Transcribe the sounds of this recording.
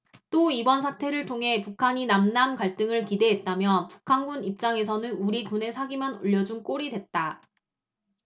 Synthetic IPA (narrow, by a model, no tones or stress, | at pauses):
t͈oibʌnsʰatʰe̞ɾɯɭtʰoŋɦe̞pukʰaɲinamnamkaɭt͈ɯŋɯɭkide̞ɦet̚t͈amjʌpu̥kʰanɡunip̚t͡ɕ͈aŋe̞sʰʌnɯnuɾikune̞sʰaɡimano̰ʎːʌd͡ʑunk͈oɾidwe̞t̚t͈a